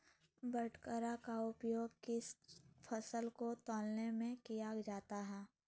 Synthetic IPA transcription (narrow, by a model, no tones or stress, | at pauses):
bəʈʰkəɾakaʊpjoːɡ̚kɪspʰəsəlkot̪ɔːlnemẽkijad͡ʒaːt̪aɦɛː